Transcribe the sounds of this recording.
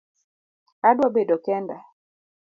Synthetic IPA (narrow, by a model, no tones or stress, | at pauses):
adwabedɔkɛnda